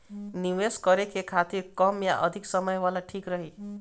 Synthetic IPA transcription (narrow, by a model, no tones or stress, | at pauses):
niʋeskʌɾekekʰat̪iɾkɔmja̰ʔʌd̪ʱiksʌmɔjʋalaʈʰikɾʌɦi